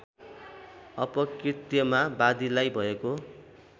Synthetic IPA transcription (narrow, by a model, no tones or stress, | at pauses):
ʌpʌkrit̪jʌmabad̪ilajbʱʌeko